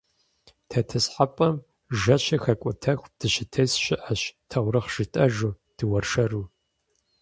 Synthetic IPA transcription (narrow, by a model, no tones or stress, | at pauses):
tʰɐtʰɨsħapʼɐm | ʒɐɕɐxɐkʷʼʊtʰɐx̚ʷd̥ɨɕɪtʰɐsɕɪʔɐɕtʰɐʁʷɾɨχʒ̥ɪtʼɐʒuː | d̥ɨwɐrʂɐruː